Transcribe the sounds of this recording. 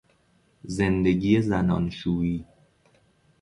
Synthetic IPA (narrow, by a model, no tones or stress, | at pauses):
zend̪e̞ɡiːjezænɒnʃuːiː